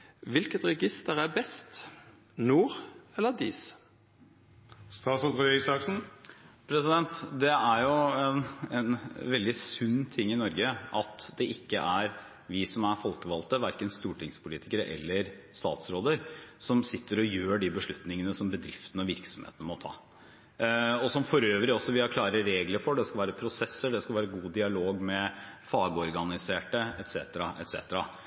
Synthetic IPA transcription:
ʋɪlkət̪ɾɛɡɪst̪əɾæbɛst̪ | nuːɾɛlːəd̪iːs | st̪ɑːsɔt̪ʁʊɛsɑksn̩pʰɾɛsɪd̪ɛnt̪d̪ɛæɾjʊɛnɛ̰nʋɛld̪ɪsʉnːt̪ʰɪŋːɪnɔɾɡəɑt̪d̪ɛʔɪkːəʔæɾ | ʋɪsɔmæɾfɔlkəʋɑlt̪əʋæɾkənst̪uːʈɪŋspʰʊliːt̪ɪkəɾəʔɛ̰lːəɾst̪ɑ̰ːt̪sɾoːd̪əɾsɔmsɪt̪ʰːəɾɔjøːɖɪbəʂɭʉt̪nɪŋənəsɔmbəd̪ɾɪft̪ən̩ɔʋɪɾksɔm̩hḛːt̪n̩əmɔt̪ʰɑ̰ː | ɔsɔmfɔɾøːʋɾɪɔsːɔʋɪhɑɾkʰlɑːɾəɾeːɡləɾfɔɖɛskɑlʋæːɾəpʰɾʊsɛsːəɖɛskɑʋæːɾəɡuːd̪ɪɑloːɡmɛfɑːɡəɔɾɡɑnɪseːʈəɛt̪sḛːt̪əɾɑʔɛ̰t̪sḛːt̪əɾɑ

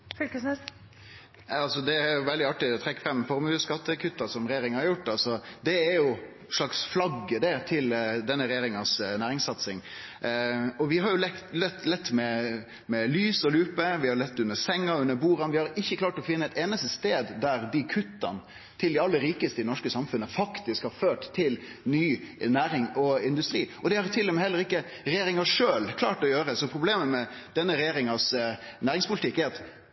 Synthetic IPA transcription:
fylkəsnɛ | ɑlsɔd̪ɛæɾjʊʋɛld̪ɪɑʈːɪd̪ɛt̪ʰɾɛkːə̥fɾɑmːfɔɾmʉːskɑt̪ːəkʰʉt̪ːɑsɔmɾɛjeːɾɪŋhɑɾjʊʈːɑlsɔd̪ɛæɾjʊ | ʂɭɑksflɑɡːəd̪ɛt̪ʰɪld̪ɛnːəɾɛjeːɾɪŋɑsnæːɾɪŋsɑt̪sɪŋ | ɔʋɪɦɑɾjʊlɛt̪lɛt̪ːlɛt̪ːmɛ | mɛlyːsɔlʉːpəʋɪhɑɾlɛt̪ːʉnːəsɛŋːəʉnːəɾbuːɾɑnʋɪhɑɾɪçːəklɑːʈɔfɪnːəɛɪt̪eːnəst̪əst̪eːd̪d̪æɾd̪ɪkʰʉt̪ːɑ̰n | t̪ʰɪld̪ɛɑlːəɾiːkəst̪əɪnɔʂkəsɑmfʉnːəfɑkt̪ɪskhɑɾføːʈt̪ʰːɪl | nyːnæːɾɪŋɔɪnd̪ʉst̪ɾiːʔɔd̪ɛhɑɾt̪ʰɪlːɛmɛhɛlːəɾɪkːə | ɾɛjeːɾɪŋɑʂøːlkʰlɑ̰ːʈɔjøːɾəsɔpʰɾʊbleːməmɛd̪̥ɛnːəɾɛjeːɾɪŋɑsnæːɾɪŋspʰʊlɪt̪ʰɪkːæɾɑt̪

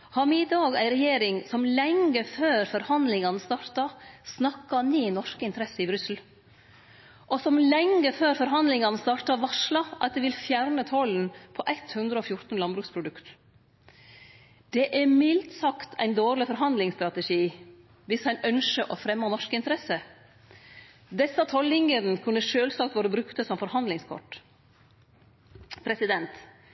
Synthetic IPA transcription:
hɑɾmid̪ɑːɡæɪɾɛjeːɾɪŋsɔmlɛŋəføːɾfɔɾhɑnd̪lɪŋɑnəst̪ɑːɾt̪ɑsnɑkːɑniːnɔʂkəɪnt̪əɾɛsːəɪbɾʏsl̩ | ʔɔsɔmlɛŋːəføːɾfɔɾɦɑnd̪lɪŋɑnst̪ɑːɾʈ̪ɑʋɑʂlɑʔɑt̪̚d̪ɛʋɪlfjæɾnət̪ʰɔln̩pʰɔʔæɪt̪hʉnd̪ɾəɔfjʊɾt̪n̩lɑnbɾʉːkspʰɾʊd̪ʉkt̪ | d̪̥ɛʔæɾmɪlt̪sɑkt̪ʰæ̰ɪnd̪oːɾlɪfɔɾɦɑnd̪lɪŋst̪ɾɑt̪ɛʂiː | ʋɪshɛnœnʃəʔɔfɾɛmːɑːnɔʂkɪnt̪əɾɛsə | d̪ɛsɑt̪ʰɔlɪŋəɾnəkʰʉnːəʂøːlsɑːkt̪ʋɑːɾəbɾʉkt̪əsɔmfɔɾhɑnd̪lɪŋskʰɔ̰ʈ | pʰɾɛsɪd̪ɛnt̪

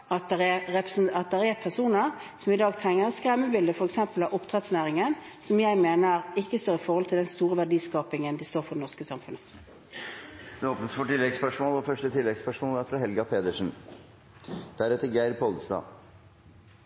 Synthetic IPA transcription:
ɑt̪̚d̪ɛʁɛɛpəsənɑt̪̚d̪ɛɾɛpʰæsuːnəʁsɔmɪd̪ɑːɡt̪ʰʁɛŋːəʁskʁɛmːəbɪld̪əfɔʁɛksɛmpəlɑʔɔpt̪ʰʁɛt̪snæːʁɪŋən | sɔmjæɪmeːnəʁɪkːəst̪oːʁɪfɔʁhɔlt̪ʰɪld̪ɛnst̪uːʁəʋæɖiːskɑːpɪŋənd̪ɪst̪oːɾfɔd̪ɛnɔʁʂkəsɑmfʉnə | d̪ɛoːpnəsfɔʈɪlːɛɡspœʂmoːlɔfœʂʈət̪ʰɪlːɛɡspœʂmoːlæɾfɾɑɦɛlɡɑpʰeːd̪əʂn̩ | d̪̥æɾɛt̪ːəɾɡæɪɾpʰɔld̪əst̪ɑ̰ː

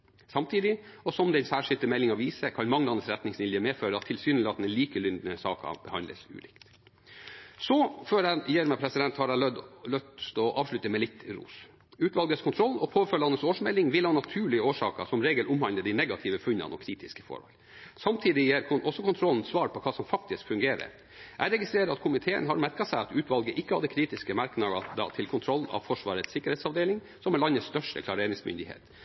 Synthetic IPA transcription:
sɑmt̪ʰiːd̪ɪɔsɔmd̪ɛnsæːʂɪlt̪əmɛlːɪŋɑʋiːsəkʰɑnmɑŋːəlɑnəsɾɛt̪nɪŋsʋɪljəmeːføːɾəɑt̪ʰːɪlsyːnəlɑt̪nliːkəlʏnd̪nəsɑ̰ːkɑ̰b̥əhɑnd̪lə̰sʉ̰ːlɪ̰kt̪ | sɔføːɾæjeːɾmɛpʰɾɛsɪd̪ɛnt̪hɑɾɑlœd̪lœt̪st̪ɔʔɑːʋʂɭʉt̪əmɛlɪt̪ːɾṵːs | ʉːt̪ʋɑlɡəskʰʊnt̪ʰɾɔlːɔpʰoːfølɑnːəsoːʂmɛlːɪŋʋɪlhɑnɑt̪ʰʉːɭɪəoːʂɑ̰ːkə̰sɔmɾeːɡəlʔʊmhɑnləd̪æɪnɛɡɑt̪ʰɪːʋəfʉnːɑ̰nɔ̰kʰɾiːt̪ɪskəfo̰ːɾɑ̰l | sɑmt̪ʰiːd̪ɪjæːɾʰʔɔsːɔkʊnt̪ʰɾɔln̩sʋɑːɾpʰɔkʰɑːsɔmfɑk̚t̪ɪskfʉŋɡeːɾə̰ | ʔæɾɛɡɪst̪ɾeːɾəɑt̪kʰʊmɪt̪ʰeːə̰nɦɑɾmæɾkɑsæɪɑt̪ʉːt̪ʋɑlɡəʔɪkːəhɑd̪ːəkʰɾiːt̪ɪskəmɑɾknɑəd̪ɑ̰t̪ʰɪlkʰʊnt̪ʰɾɔlːɑ̰ʋfɔʂʋɑːɾət̪sɪkːəɾeːt̪sɑʋd̪eːlɪŋ | sɔmɛlɑnːəst̪œʂʈə̰kʰlɑːɾeːnɪŋsmʏ̰nd̪ɪhḛːt̪

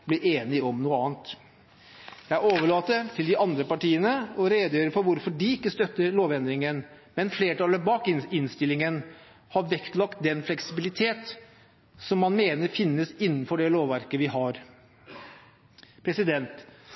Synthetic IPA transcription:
blɪɾʔeːnɪɔmnuːəɑːnt̪ | jææɾoːʋəɭɑːt̪ət̪ʰɪld̪ɪʔɑnd̪ɾəpɑʈiːənəɔɾeːd̪jøːɾəfɔɾʋʊɾfɔɖɪɪkːəst̪œt̪ːəɾɭoːʋɛnd̪ɾɪŋən | mɛnfleːʈʰɑləbɑːkɪɪnst̪ɪlːɪŋən | hɑɾʋɛkt̪lɑk̚t̪̚d̪ɛnflɛksɪbɪlɪt̪ʰeːt̪ | sɔmːɑnmeːnəɾfɪnːəsɪnːənfɔɖɛloːʋʋæɾkəʋɪɦɑɾ | pʰɾɛsɪd̪ɛnt̪

